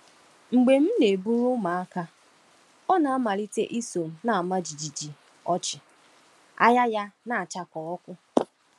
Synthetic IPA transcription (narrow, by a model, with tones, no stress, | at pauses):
ŋ͡m̩˨ɡ͡be˨m̩˦ne˨bu˦ɾʊ˦ma˨a˦ka˦ | ɔ˦na˨a˦ma˨ɾi˦tḛ˦ʔi˦so˨m̩˨na˨a˨ma˦d͡ʒi˨d͡ʒi˨d͡ʒi˨ | ɔ˦t͡ʃɪ˨ | a̰˦ja˦ja˦na˨a˨t͡ʃa˨kɔ˨ɔ˦kʷʊ˦